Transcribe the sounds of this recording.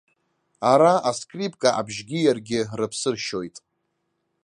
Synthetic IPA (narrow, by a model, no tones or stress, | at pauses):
aɾaaskʼripʼkʼaʔa̰bʒɡʲɪjarɡʲɪrɨpʰsɨrʃo̞jtʼ